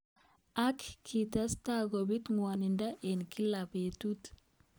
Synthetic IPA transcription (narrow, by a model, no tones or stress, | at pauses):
akkʰːitastaɡobit̪ŋwanindaʔenkilabetut